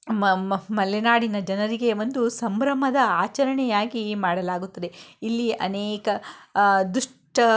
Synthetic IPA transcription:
mɐlenaːɽinɐd͡ʒɐnɐɾiɡe̞ʋo̞nd̪usɐmbɾɐmɐd̪ɐaːt͡ʃɐɾɐɳɛjaːɡimaːɽɐlaːɡut̪ːɐd̪e̞ilːiʔɐ̰neːkɐ | d̪uʂ | ʈɐ

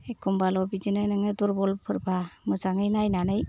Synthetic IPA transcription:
ekʰumbalɔbid͡ʒinɯjnɯŋɯduɾbɔlpʰɯɾbamɯzaŋɯjnajnanɯj

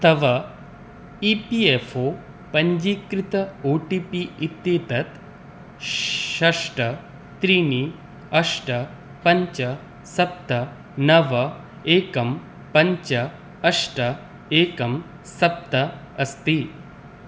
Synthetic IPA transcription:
ɐt̪ʰɐʋɐ | iːpiefoː | pɐɲd͡ʒikɾit̪ɐoːʈipiit̪ːjeːt̪ɐt̪ | ʃɐʂʈɐ | t̪ɾiːni | ɐʂʈɐ | pɐɲt͡ʃɐ | sɐp̚t̪ɐ | nɐʋɐ | eːkɐm | pɐɲt͡ʃɐ | ɐʂʈɐ | eːkɐm | sɐp̚t̪ɐ | ɐst̪i

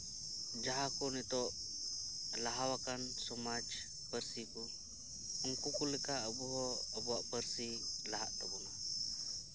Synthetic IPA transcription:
d͡ʒaɦakunit̪ɔʔ | laɦawakansɔmat͡ʃ | pərsiku | əŋkukulikaʔəbuɦɔəbuaʔpərsilaɦaʔt̪abuna

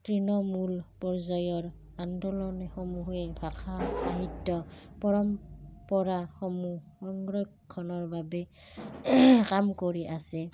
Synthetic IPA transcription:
tɹinɔmulpɔɹzajɔɹ | andɔlɔnɛxomuɦɛbʱakʰaaɦitːɔpɔɹɔmpɔɹaxɔmu | ɔŋɡɹɔjkʰːɔnɔɹbabɛ | kamkoɹiʔasɛ

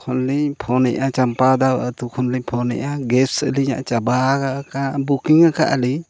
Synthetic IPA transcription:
kʰɔnlipʰɔnɛʔat͡ʃampad̪awəʔət̪ukʰɔnlipʰɔnɛ̰ʔaɡɛpsə̰liɲa̰ʔt͡ʃabakakabukiŋakaʔəli

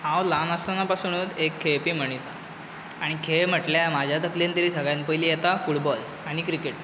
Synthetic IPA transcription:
hãwlanəst̪anapasuñut̪ekʰːepim̤əɳ̃isa̰ | aɽ̃ikʰem̤əʈljamad͡ʑʱjat̪əklant̪əɾiːsəɡɭjãnpəjlijet̪afuʈbɔl | aɽ̃ikɾikeʈ

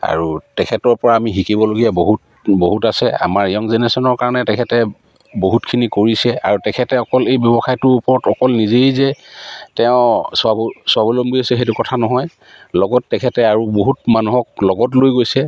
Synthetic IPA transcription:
a̰ɹutɛkʰɛtɔɹpɔɹaːmiɦikibɔloɡijaboɦut̚ | boɦutasɛa̰maɹijɔŋzenɛsɔnɔɹkaɹɔnɛtɛkʰɛtɛ | boɦutkʰinikoɹisɛa̰ɹutɛkʰɛtɛɔkɔlejbjɔbɔxajtʊupɔɹɔtɔkɔlnizejzɛtɛʊ̃sabsʊabolɔmbiasɛɦetukɔtʰanɔɦɔj | lɔɡɔtːɛkʰɛtɛaɹuboɦut̚manuɦɔk̚lɔɡɔtlojɡojsɛ

